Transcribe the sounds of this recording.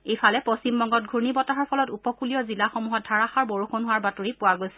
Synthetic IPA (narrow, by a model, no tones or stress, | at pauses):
ejfʰalɛposimbɔŋɡɔt̚ɡʱunibɔtaɦɔɹpʰɔlɔtupɔkuliɔzilaxomuɦɔt̚dʱaɹaxaɹboɹuxonɦʊwaɹbatoɹipʊwaɡojsɛ̥